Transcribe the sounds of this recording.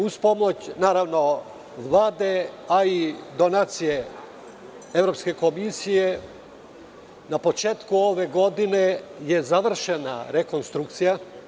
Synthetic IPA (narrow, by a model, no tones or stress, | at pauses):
uspo̞mot͡ɕnaːɾaʋno̞ | ʋlˠaːd̪e̞aid̪o̞naːt̪sije̞ | e̞vɾo̞pske̞ko̞misije | napo̞t͡ʃe̞ːt̪kuo̞ʋe̞ɡo̞d̪ine̞je̞zaʋr̩ʃena̰ɾeko̞nst̪ɾuk̚t̪sija